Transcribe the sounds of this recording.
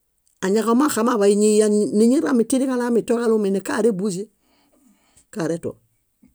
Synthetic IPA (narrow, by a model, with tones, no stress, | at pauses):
a˨ɲa˨kama˦xa˨ma˦ba˨iɲi˦ja˦nni˦ɲi˦ɾa˦mi˨ti˦di˦ka˦la˦mi˨to˦ka˦lu˦me˨ni˨ka˦ɾe˦bu˦s̬e˦ | ka˨ɾeto̰˨